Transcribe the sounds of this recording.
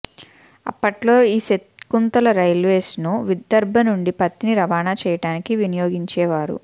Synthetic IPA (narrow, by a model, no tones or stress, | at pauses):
ɐ̰pːɐʈlo̞ːiːset̪kunt̪ɐlɐɾɐjlʋeːsnuʋid̪ːɐɾbʱɐnuɳɖipɐt̪ːiniɾɐʋaːnaːt͡ʃɛːjɐʈaːnikiʋinijo̞ːɡiɲt͡ʃɛːʋaːɾṵ